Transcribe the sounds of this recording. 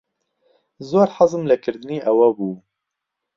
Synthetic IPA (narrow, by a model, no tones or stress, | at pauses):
zoːɾħɑzɨmlɨkʰɨɾd̪ɨniːʔɛwɛbuː